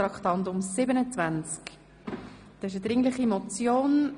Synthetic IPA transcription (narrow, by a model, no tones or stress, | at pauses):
ɾɑkt̪ɑnt̪ʊmsɪbənət͡svænt͡sk | d̥̪ɑɪʃ̬əd̪ɾɪŋlɪχimɔt͡sjoːn